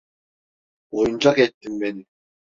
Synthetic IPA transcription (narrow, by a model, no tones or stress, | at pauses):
ojunt͡ɕɑket̪ːimːenɪ